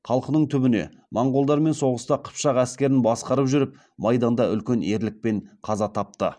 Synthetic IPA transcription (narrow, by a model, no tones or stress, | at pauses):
χʰɑlˠqənəɴt̪ʰʏbɪne̞̰ | mɑɴʁolˠd̪ɑɾme̞nso̞ʁəst̪ɑqʰə̥pʃɑqæskʲe̞ɾɪnbɑsqɑɾəpʒʏɾɪp̚ | mɑjd̪ɑnd̪ɑʔʏ̰lkʲe̞ne̞ɾlɪk̚pe̞ɴqʰɑzɑt̪ʰɑp̚t̪ə